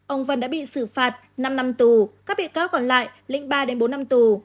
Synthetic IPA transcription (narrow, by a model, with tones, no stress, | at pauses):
ʔə˧wŋ͡mvə˧nɗa̰ː˧˥ɓḭ˧˨sɨ˧˩faː˨˩t̚ | na˧mna˧mt̪u˨˩kaː˦˥k̚ɓḭ˧˨kaː˨˦wkɔ˧˩nla̰ː˧˨jlḭ̈˧˥ŋ̟ɓaː˧ɗe˨˦nɓo˨˦nːa˧mt̪u˨˩